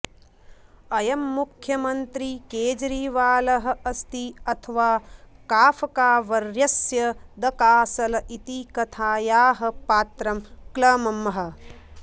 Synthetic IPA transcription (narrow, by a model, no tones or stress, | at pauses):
ɐjɐmːukʰjɐmɐnt̪ɾikeːd͡ʒɐɾiʋaːlɐɦɐ̆ɐst̪iɐt̪ʰɐʋaːkaːfʰɐkaːʋɐɾjɐsjɐd̪ɐkaːsɐlɐʔit̪ikɐt̪ʰaːjaːɦɐ̆paːt̪ɾɐmklɐːmɐmːɐɦɐ̆